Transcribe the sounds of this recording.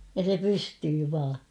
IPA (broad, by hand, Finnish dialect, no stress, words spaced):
jɑ se pystyː ʋɑː